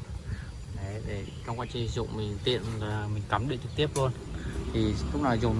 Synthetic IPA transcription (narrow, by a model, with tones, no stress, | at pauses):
ɗe˨˦ɗe˧˩t͡ɕɔ˧ŋ͡mkwaː˧t͡ɕï˨˩˨zʊ̰˧˨wŋ͡mmï˨˩ŋ̟t̪ḭ˧˨ənlaː˨˩mï˨˩ŋ̟ka˨˦mɗḭ˧˨t͡ɕɨ˨˩k̚t̪i˦˥əp̚lu˧ənt̪ʰi˨˩lʊ̰˦˥ŋ͡m̚naː˨˩jzu˨˩